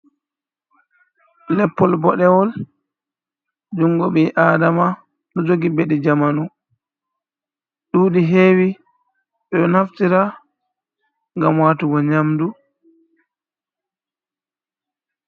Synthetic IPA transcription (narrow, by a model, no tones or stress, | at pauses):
lɛpːɔlbɔɗɛwɔl | d͡ʒuŋɡɔɓɛʔaːdama | nɔd͡ʒoɡibɛɗɛd͡ʒamanu | ɗuːɗiɦeːwi | ɓɛɗɔnaftiɾa | ŋɡamwaːtuɡɔɲamdu